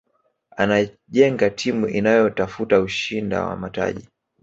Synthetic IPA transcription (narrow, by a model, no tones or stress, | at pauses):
ana | ʄɛŋɡatʰimuʔinajɔtafutauʃinda̰wa̰mata̰ʄi